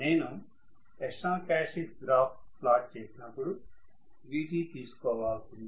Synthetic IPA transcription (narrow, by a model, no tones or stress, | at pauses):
neːnu | ɛʂãːkaːsik̚d̪ɾaːpʈplaːʈ̚t͡ʃeːsinɐpːuɽu | ʋiːʈiːt̪iːsu̥kɔːʋaːltund̪i